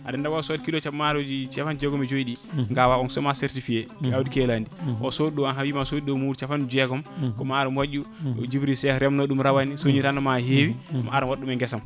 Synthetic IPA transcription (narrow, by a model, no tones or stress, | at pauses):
a̰dɛndawasɔdkilɔt͡ʃamaɾod͡ʒit͡ʃafand͡ʒɛɡɔmɛd͡ʒoiɗiŋɡawaɔnsɔmaseɾtifiɛkawdikɛlandiʔɔ̰sodiɗɔanɦawimasodiɗɔmuɾt͡ʃafand͡ʒɛɡɔmkɔmaːɾumwaʄuɔ̰d͡ʒibɾisɛɾɛmnɔɗumɾawanisoɲiɾandɔmaɦewima̰aɾɛmwaɗːumɛŋɡɛsam